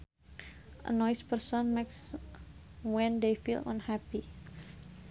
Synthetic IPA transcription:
ʔə̰nɔjspərsɔnmeks | wɛ̃nd̪ejfḭlʔã̰nhæpi

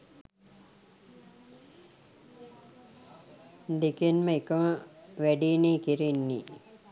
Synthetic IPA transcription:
d̪ikenməikəməʋæɖiːneːkiɾenːḭ

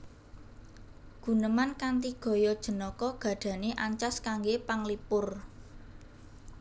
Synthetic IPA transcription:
ɡ̥ṳnəmankant̪iɡ̥ɔ̤jɔd̥ʒ̥ə̤nɔkɔɡ̥ä̤d̪̥ä̤neʔaɲt͡ʃaskaŋɡepaŋlipʊr

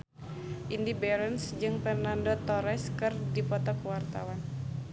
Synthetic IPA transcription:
ʔindibɛɾənsd͡ʒɨŋpɛrnandɔt̪ɔɾɛskɨrdipɔt̪ɔkəwart̪a̰wan

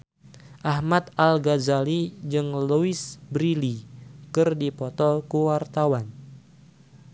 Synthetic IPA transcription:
ʔahmat̪̚alɡazalid͡ʒɨŋluisbɾilikɨrdipɔt̪ɔkuwart̪awan

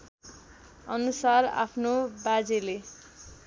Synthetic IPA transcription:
ʌnusara̰pʰnobad͡zele

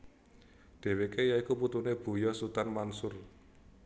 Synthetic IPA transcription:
d̪̥e̤wekejaikuput̪uneb̥o̤jɔsut̪anmansʊr

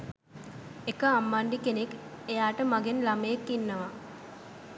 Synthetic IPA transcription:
ekəamːaɳɖikenek | ejaːʈəmaɡenlaməjekːinːəʋa

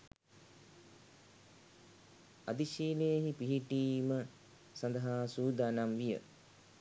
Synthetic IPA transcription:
ad̪iʃiːlejeɦipiɦiʈiːmə | sand̪əɦaːsuːd̪aːnamʋijə̰

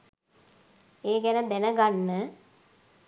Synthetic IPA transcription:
eːɡɛnəd̪enəɡanːə

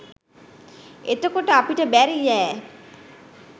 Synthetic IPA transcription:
et̪əkoʈəapiʈəbæɾijæː

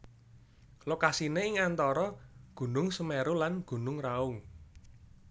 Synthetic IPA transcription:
lokasineɪŋant̪ɔɾɔɡ̥ṳnʊŋsəmeɾulanɡ̥ṳnʊŋraʊŋ

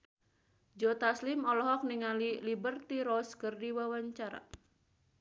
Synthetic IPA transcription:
d͡ʒɔt̪aslimɔlɔɦɔk̚niŋalilibərt̪iɾɔskɨrdiwawaɲt͡ʃaɾa̰

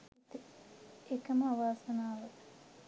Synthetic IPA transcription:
t̪eekɐməaʋaːsɐnaːʋɐ

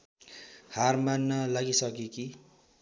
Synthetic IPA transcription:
harmanːʌlaɡisʌk̬eki

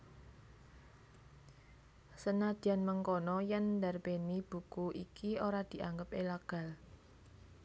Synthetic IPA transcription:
sənad̪̥ianməŋkɔnɔjɛnd̪arpenib̥ṳkuʔikioɾad̪̥i̤ʔaŋɡəp̚elaɡ̥a̤l

